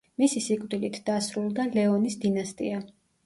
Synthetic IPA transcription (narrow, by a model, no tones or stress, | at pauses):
misisikʼvd̪ilit̪ʰd̪̥asɾulˠd̪alɛɔnisd̪inast̪ʼḭa